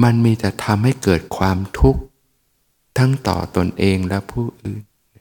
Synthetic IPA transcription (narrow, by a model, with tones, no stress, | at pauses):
ma˧nmiː˧t͡ɕɛ˨˩t̪ʰa˧mɦa˥˩jkɤː˨˩t̪̚kʰwaː˧mt̪ʰu˦˥k̚ | t̪ʰa˦˥ŋt̪ɔ̰ː˨˩t̪o˧nʔeː˧ŋlɛ˦˥pʰuː˥˩ʔɯː˨˩n˦